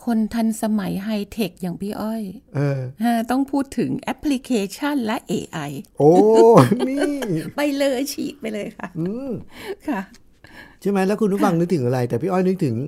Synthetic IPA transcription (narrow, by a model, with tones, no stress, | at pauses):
kʰo˧nt̪ʰa˧nsa˧ma˩˦jɦa˧jt̪ʰe˨˩k̚jaː˨˩ŋpʰiː˥˩ʔɔ˥˩jʔɤː˧ʔaː˥˩t̪ɔ˥˩ŋpʰuː˥˩t̪ʰːɯ˩˦ŋʔɛ˦˥pʰːli˧˥kʰeː˧t͡ɕʰa˥˩nlɛ˦˥ʔḛː˧ʔa˧jʔoː˧miː˥˩pa˧jlɤː˧t͡ɕʰiː˨˩p̚pa˧jlɤː˧jkʰa˥˩ʔɯː˧˩mkʰa˥˩ | t͡ɕʰi˥˩ma˦˥jlɛː˦˥kʰu˧nɾu˦˥fa˧ŋnɯ˦˥t̪ʰɯ˩˦ŋʔa˧ɾa˧jt̪ɛː˨˩pʰiː˥˩ʔɔ˥˩jnɯ˦˥k̚t̪ʰɯ˩˦ŋ